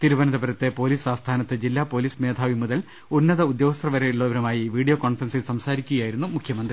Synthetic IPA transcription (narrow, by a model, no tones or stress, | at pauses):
t̪iɾuʋɐnɐðɐbɐɾɐt̪ːe̞po̞ːliːsaːst̪ʰaːnɐt̪ːɨd͡ʑilːaːpo̞ːliːsme̞ːd̪ʰʱaːʋimuðɐl | unːɐðɐud̪joːɐst̪rɐʋɐɾeiɭːoʋɐɾɐmaːjiʋiːɽijoːko̞ːɳfrɐnsilsɐmsaːɾikʲːuɣɐjaːjiɾunːumukʰjɐmɐnd̪ri